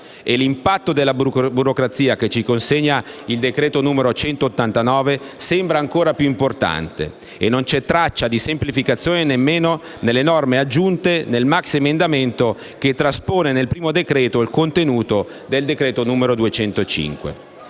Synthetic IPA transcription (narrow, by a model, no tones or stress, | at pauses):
elimpat̪ːod̪elːabuɾokɾat̪siːaket͡ʃːikonseɲːaild̪ekɾɛːt̪onuːmeɾot͡ʃɛnt̪oːt̪ːant̪anɔːvesɛmbɾaːŋkoːɾapjuimport̪a̰nt̪ḛ | enːont͡ʃɛt̪ːɾat͡ʃːad̪isemplifikat̪sːjoːnenemːeːno | nelːenɔrmead͡ʒːunt̪enelmaksemend̪ament̪o | ket̪ːɾaspoːnenelpɾiːmod̪ekɾɛːt̪oilkont̪enuːt̪o | d̪eld̪ekɾɛːt̪onuːmeɾod̪uet͡ʃɛnt̪ot͡ʃḭŋkwḛ